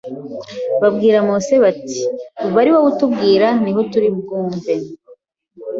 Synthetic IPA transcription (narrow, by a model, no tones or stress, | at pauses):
βabɡiːɾamoːse̞βati̥uβaɾiwaβutubɡiːɾaniɦo̞tuɾib̚ɡuːɱve̞